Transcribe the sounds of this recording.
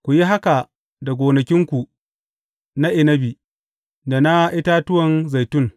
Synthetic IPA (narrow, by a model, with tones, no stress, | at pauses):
kʷu˨ji˦ɦa˦ka˨ | da˨ɡʷoː˨nɐ˨kʲɪ˦ŋkʷu˨ | na˦ʔɪ˨nɐ˦bi˨ | da˨na˦ʔɪ˦ta˦tʊ˦wɐ˨nza˨jtʊ˦˨ŋ